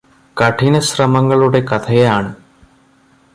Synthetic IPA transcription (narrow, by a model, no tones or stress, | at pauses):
kɐʈʰinɐɕrɐmɐŋːɐɭuɽe̞kɐt̪ʰɐjeaːɳɨ